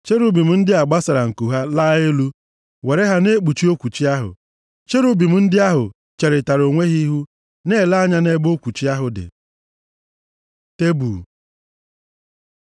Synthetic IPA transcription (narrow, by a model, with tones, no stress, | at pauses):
t͡ʃe˦ɾu˦bi˨m̩˨n̩˦dɪ˦a˨ɡ͡ba˦sa˨ɾa˨ŋ̩˨ku˨ɦa˦la˦e˦lu˦ | we˨ɾe˦ɦa˦ne˦k͡pu˨t͡ʃi˦o˦kʷu˨t͡ʃi˦a˦ɦʊ̰˨ | t͡ʃe˦ɾu˦bi˨m̩˨n̩˦dɪ˦a˦ɦʊ˨ | t͡ʃe˨ɾɪ˨ta˨ɾo˨ŋʷe˦ɦi˦ɦu˦ | ne˦˨la˦ɲa˦ne˦bo˦kʷu˨t͡ʃi˦a˦ɦʊ˨dɪ̰˨ | te˦buː˨